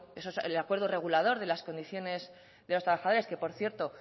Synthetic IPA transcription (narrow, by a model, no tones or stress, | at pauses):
esoselakwe̞ɾð̞ore̞ɣ̞ulað̞o̞ɾðe̞lasko̞nd̪iθjo̞ne̞z | ðe̞lo̞st̪ɾaβaxaðo̞ɾe̞ske̞po̞ɾθje̞ɾt̪o̞